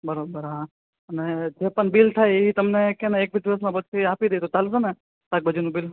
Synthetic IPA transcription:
bəɾobəɾɦã | əned͡ʒepəɳbilt̪ʰajeit̪əmnekẽnɛeːk̚bʱid̪iʋəs̬mãbəd̪siapid̪əit̪ot͡ʃalsene | t̪ak̚bəd͡ʒunũbil

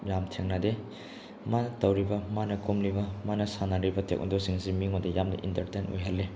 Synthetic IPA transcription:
jamtʰeŋnade | manɐtɐwɾibɐmanɐkomlibɐmanɐsanaɾibɐtʰḛk̚na̰dosiŋzimiŋodɐjamnɐ̰ʔḭntɐɾtenujɦalːe

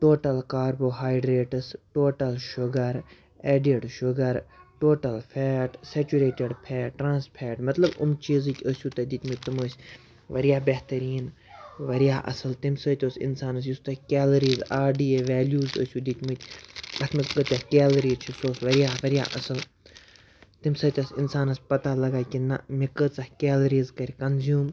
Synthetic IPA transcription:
ʈoːʈɐlkaːɾboːɦaːjɖɾeːʈɐsʈoːʈɐlʃʊɡɐɾ | eːɖeɖʃʊɡɐɾʈoːʈɐlpʰɛːʈset͡ʃuɾeːʈeɖpʰɛːʈʈɾãːnspʰɛːʈmɐt̪lɐbʊmt͡ʃiːzikʲəsʲuːt̪ɐd̪it̪ʲmɨt̪̚ʲt̪ɐməːsʲ | ʋɐɾijaːbeht̪ɐɾiːn | ʋɐɾjaːʔɐ̰sɐlt̪imsəːt̪ʲoːsḭnsaːnɐs̬just̪ɐkʲeːlɐɾiːzaːɖiːeʋɛːljuːzə̰ːsʲuːd̪it̪ʲmɨt̪ʲɐt̪ʰmɐskət̪ʲakɛːlɐɾiːzt͡ʃʰusoːsʋɐɾijaːʋɐɾʲja̰ːʔɐsɨl | t̪imsɐt̪ʲɐsinsaːnɐspɐt̪alɐɡaːkʲinɐ̰mikət͡sɐhkeːlɐɾiːzkɐɾʲkɐnzjuːm

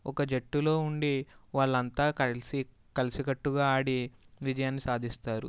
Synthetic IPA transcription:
ɔkɐd͡ʒeʈːulo̞ːuɳɖiʋaːɭːɐnt̪aːsi | kɐlisikɐʈːuɡaːaːɽiʋid͡ʒɐjaːnːisaːd̪ʱist̪aːɾṵ

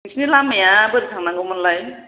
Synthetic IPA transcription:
isnilamajabɯɾitʰaŋnaŋɡɯmanlaj

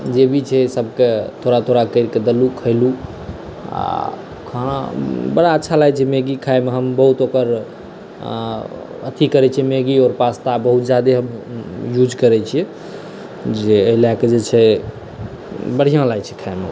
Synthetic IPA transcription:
d͡ʒebʱit͡ʃʰɛsəb̚ʱket̪ʰoɾat̪ʰoɾakəɪɾked̪əlukʰəɪlu | a̰ | kʰəɽ̃ã̰bəɽaətːʃʰalaɡt͡ʃʰɛmeɡikʰajmeɦəmbəɦut̪okəɾ | ət̪ʰikəɾɛt͡ʃʰiɛmeɡiɔːɾpast̪abəɦut̪̚d͡ʒjad̪eɦəmjud͡ʒkəɾɛt͡ʃʰiɛ | d͡ʒeəɦilaked͡ʒet͡ʃʰɛ | bəɽ̤ijãlat͡ʃʰɛ̥kʰaemḛ

